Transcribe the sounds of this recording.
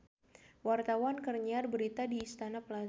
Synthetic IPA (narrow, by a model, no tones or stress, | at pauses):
wart̪awankərɲarbəɾit̪adiːst̪anapəla